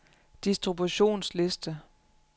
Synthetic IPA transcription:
d̥isd̥ʁibuɕo̝̰ːnsle̝sd̥ə

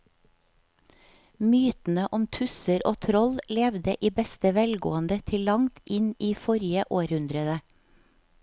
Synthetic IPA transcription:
myːt̪n̩əʔɔmt̪ʰʉsəɾʔo̰ːt̪ʰɾɔllɛʋd̪əʔiːbɛst̪əʋɛlɡo̰ːənd̪ət̪ʰɪllɑŋt̪ʔɪniːfɔɾjəʔoːɾhʉnd̪ɾəd̪ə

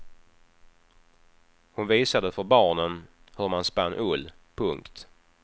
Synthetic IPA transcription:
hʊnviːsad̪əfœɾbɑːɳən | hɵɾmanspanːʔɵlː | pʰɵŋkt̪

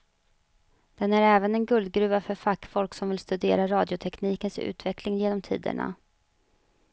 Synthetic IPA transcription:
d̪̥ɛnæɾɛːvənɛnɡɵld̪̚ɡɾʉ̟ːafœɾfakːfɔlksɔmvɪlst̪ɵd̪ḛːɾaɾɑːd̪jʊt̪ʰɛkniːkənsʉ̟̰ːt̪vɛklɪŋjeːnɔmt̪ʰḭːd̪ə̰ɳa̰

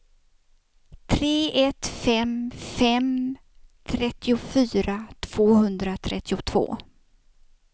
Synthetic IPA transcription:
t̪ʰɾeːɛt̪fɛmfɛm | t̪ʰɾɛt̪ːɪʊfyːɾat̪ʰv̥oːhɵnd̪ɾat̪ʰɾɛt̪ːɪʊt̪ʰv̥o̰ː

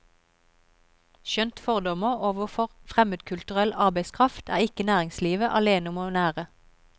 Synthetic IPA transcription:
ʃœnt̪fɔʁd̪ɔməoːʋəfɔʁfʁɛməd̪kʰʉlt̪ʉʁɛlɑʁbæɪskʰʁɑft̪ʰæ̰ːʁɪkənæːʁɪŋsliːʋəʔɑ̰leːnəʊmoːnæːʁə

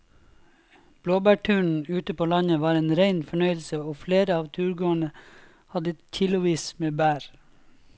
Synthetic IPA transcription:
b̥loːbæːʈʰʉːɳ̩ʉːt̪əpʰoːlɑɲəʋɑːɾeːnɾeɪnfɔɳœʏəl̩səoːfleːɾəɑːʋt̪ʰʉːɾɡoːəɳə | hɑd̪əçɪlʊʋiːsmeːbæːɾ

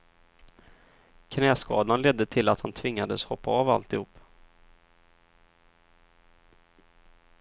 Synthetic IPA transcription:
kʰnɛːskɑ̰ːd̪anlɛd̪ːət̪ʰɪlat̪hant̪ʰvɪŋːad̪əshɔpːaɑːva̰lt̪ɪhuːpː

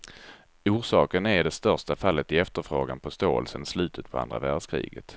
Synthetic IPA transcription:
uːʂɑːkənæɾɖɛst̪œɾʂʈafalːət̪ɪɛft̪əɾfɾoːɡanpʰɔst̪oːə̰lsənslʉ̟ːt̪ʰət̪̚pʰɔa̰nd̪ɾa̰væɖʂkʰɾḭːɡət̪

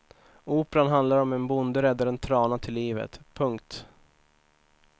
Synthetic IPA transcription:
uːpəɾanɦand̪laɾɔmɛnbʊnd̪əɾɛd̪ːaɾɛnt̪ʰɾɑːnat̪ʰɪlːiːvə̰t̪pʰɵŋkt̪

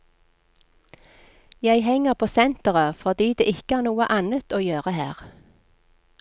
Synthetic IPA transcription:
jæɪhɛŋəʁpʰoːsɛnt̪əʁəfɔʁd̪iːd̪eːɪkəæːʁnuːəʔɑnət̪oːjøːʁəhæːʁ

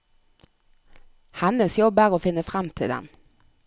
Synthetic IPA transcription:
hɑnəsjɔbæʁoːfɪnːəfʁɑmt̪ʰɪ̰d̪ɛ̰m

